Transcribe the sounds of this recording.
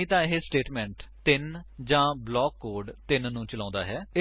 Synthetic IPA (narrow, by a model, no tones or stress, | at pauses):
ĩːt̪ãːɪɦeːsʈeːʈmɛ̃ːɳʈt̪ɪnd͡ʒãːblɔːkːoːɾɖt̪ɪnːũːt͡ʃəlãːnd̪a̰ːɦɛːɪ